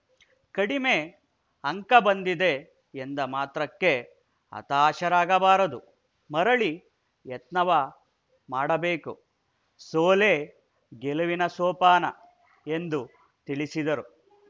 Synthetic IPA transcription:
kɐɽime̞ | ɐŋkɐbɐnd̪id̪e̞ː | nd̪ɐmaːt̪ɾɐkːe̞ | ɐ̰t̪aːʃɐɾaːɡɐbaːɾɐd̪u | mɐɾɐɭi | jet̪nɐʋɐ | maːɽɐbe̞ːku | soːleː | ɡeluʋinɐsɔːpaːnɐ | e̞nd̪u | t̪iɭisid̪ɐɾu

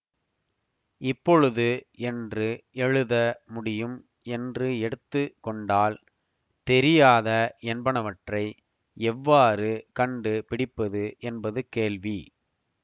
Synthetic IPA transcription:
ɪpːɔɻɯðɯɛndrɯɛɻɯðɐmʊɽɪjɯm | ɛndrɯɛɽɯt̪ːɯkːɔɳɖaːl | t̪ɛɾɪjaːðɐɛnbɐɳɐʋɐʈrɐɪ | ɛʋːaːɾɯkɐɳɖɯpɪɽɪpːɐðɯʔɛnbɐðɯkeːɭʋi

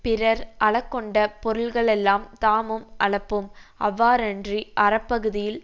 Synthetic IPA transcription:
pɪɾɐɾʔɐɭɐkːɔɳɖɐpɔɾɯɭɣɐɭɛlːaːmt̪aːmɯmʔɐɭɐpːɯmɐ̰ʋːaːɾɐndriʔɐɾɐpːɐɣɯðɪjɪl

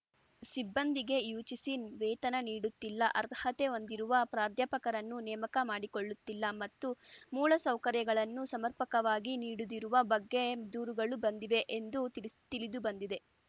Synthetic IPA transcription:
sibːɐnd̪iɡe̞juːt͡ʃisinʋɛːt̪ɐnɐniːɽut̪ːilːɐʔɐɾt̪hɐt̪e̞o̞nd̪iɾuʋɐpɾaːɾt̪jɐpɐkɐɾɐnːunɛːmɐkɐmaːɽiko̞ɭːut̪ːilːɐmɐt̪ːumuːɭɐsɐwkɐɾjɐɡɐɭɐnːusɐmɐɾpɐkɐʋaːɡiniːɽud̪iɾuʋɐbɐɡːe̞d̪uːɾuɡɐɭubɐnd̪iʋe̞ʔend̪ut̪it̪ilid̪ubɐnd̪id̪e̞

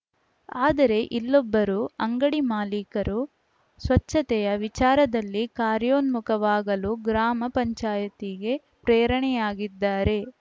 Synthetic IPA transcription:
aːd̪ɐɾe̞ʔilːɔbːɐɾuɐŋɡɐɽimaːliːkɐɾu | sʋɐt͡ʃːʃːɐt̪ɛjɐʋit͡ʃaːɾɐd̪ɐlːikaːɾjoːnmukɐʋaːɡɐluɡɾaːmɐpɐɲt͡ʃaːjɐt̪iɡe̞ | pɾeːɾɐɳɛjaːɡid̪ːaːɾe̞

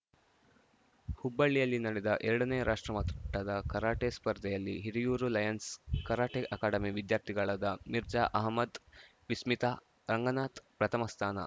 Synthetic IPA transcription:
hubːɐɭːijɐlːinɐɽɛd̪ɐʔɛɾɐɽɐneːɾʔaːʂʈɾɐmɐt̪ʈːɐd̪ɐkɐɾaːʈespɐɾd̪ʱɛjɐlːiɦiɾijuːɾulɐjɐnskɐɾaːʈeʔɐkaːɽɐmiʋid̪jaːɾt̪ʰiɡɐɭɐd̪ɐmiɾd͡ʒaːʔɐɦmɐd̪ | ʋismit̪aː | ɾɐŋɡɐnaːt̪pɾɐt̪ʰɐmɐst̪ʰaːnɐ̰

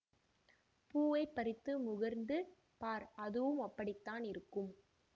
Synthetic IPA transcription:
puːʋɐɪpːɐɾɪt̪ːɯmʊɣɐɾnd̪ɯ | paːɾɐðɯʋɯmɐpːɐɽɪt̪ːaːnɪɾɯkːɯm

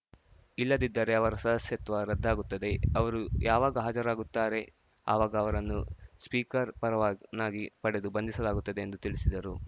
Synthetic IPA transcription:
ilːɐd̪id̪ːɐɾe̞ɐʋɐɾɐsɐd̪ɐsjɐt̪ʋaɾɐd̪ʱːaːɡut̪ːɐd̪e̞ɐʋɐɾujaːʋaːɡɐɦaːd͡ʒɐɾaːɡut̪ːaːɾe̞ | a̰ːʋaːɡɐːʋɐɾɐnːuspiːkɐɾpɐɾɐʋaːnaːɡipɐɽe̞d̪ubɐnd̪isɐlaːɡut̪ːɐd̪e̞ːnd̪ut̪iɭisid̪ɐɾu

